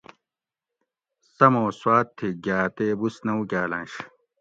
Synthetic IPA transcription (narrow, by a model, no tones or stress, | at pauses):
sɐmoːswaːt̪ʰːiɡʲaːt̪eːbusnɐwkʲaːlɐ̃nɕ